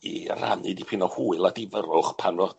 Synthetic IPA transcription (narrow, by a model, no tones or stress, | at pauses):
ḭra̰nɨdipʰɪnɔhuːɨlˠadɪvəɾʊχpʰanɔ